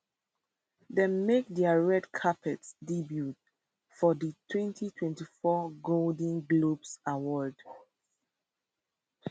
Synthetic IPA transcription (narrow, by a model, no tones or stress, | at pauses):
demek̚dɛaɹɛdkʰapʰɛtsdibjut̚ | fɔdətʰwɛ̃ntʰitʰwɛ̃ntifɔɡoldĩŋɡlopsawɔd